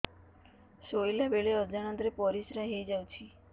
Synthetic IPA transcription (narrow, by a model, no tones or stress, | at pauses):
ʃojlabeɭeəd͡ʒanənd̪ɾepɔɾisɾaɦejd͡ʒawt͡ʃʰi